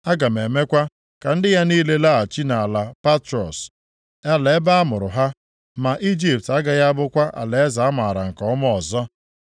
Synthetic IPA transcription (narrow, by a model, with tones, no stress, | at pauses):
a˦ɡa˨m˨e˨me˦kʷa˦ | ka˨n̩˦dɪ˦ja˦niː˦le˦la˦a˨t͡ʃi˦na˨la˨pa˦tɾɔ̰˨s | a˦le˨˦ba˦a˦mʊ˨ɾʊ˨ɦa˦ | ma˨ʔi˦d͡ʒi˨p̚ta˦ɡa˨ja˦bʊ˦kʷa˦ʔa̰˨le˨e˦za˨a˦ma˨ɾa˨ŋ̩˨kɔ˦m˦ɔ˨zɔ˦